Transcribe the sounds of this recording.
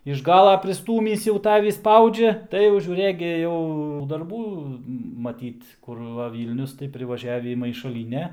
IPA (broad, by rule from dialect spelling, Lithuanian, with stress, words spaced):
ɪʃ ˈɡɑːlˠɐ pʲrʲɪˈstuːmʲiːs jɛʊ ˈtɑːʋʲiː ˈspɐʊd͡ʒʲɛ ˈtɐɪ jɛʊ ʒʲuːˈrɘk ɡʲɪ jɛʊ dɐrˈbuː mɐˈtʲiːt kʊr ˈʋɐ ˈʋʲiːlʲnʲʊs tɐɪ pʲrʲɪʋɐˈʒʲæːʋʲiː mɐɪʃɐˈlʲiːnʲɛ